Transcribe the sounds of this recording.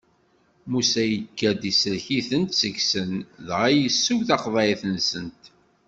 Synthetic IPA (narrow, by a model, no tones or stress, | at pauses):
musæjəkʰːæd̪isəlçiθənt̪səçsənðʁæjəsːuwθɑqvæiθənsənt̪